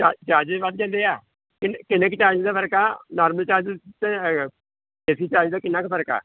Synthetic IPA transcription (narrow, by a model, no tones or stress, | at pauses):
t͡ʃaːt͡ʃaːd͡ʒʋat̪̚d͡ʒãːnd̪eːaː | kɪnkɪnəkt͡ʃaːd͡ʒd̪aːpʰəɾkaːnaːɾməlt͡ʃaːd͡ʒt̪ẽ | ɛːsiːt͡ʃaːd͡ʒd̪aːkɪnaːkpʰəɾka̰ː